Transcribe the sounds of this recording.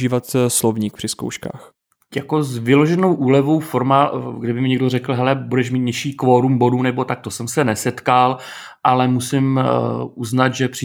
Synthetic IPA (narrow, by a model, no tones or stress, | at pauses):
iːvat̪slovɲiːk̚pr̥ɪsko̰wʃka̰ːx | jako̞zvɪlo̞ʒɛnowʔuːlɛvo̞wfoɾmaɡdɪbɪmɪɲɛɡdorɛkl̩ɦɛlɛbudɛʃ̬miːt̪̚ɲɛʃiːkvoːɾumboduːnɛbo̞t̪ak̚t̪osɛmsɛnɛsɛt̪kal | ʔalɛmusɪmʔuznat̪ʒɛpr̥ɪ